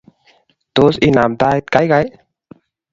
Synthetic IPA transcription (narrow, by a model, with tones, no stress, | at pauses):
t̪o˦sinaː˨md̪aː˧it̪̚ka˦jɡa˨j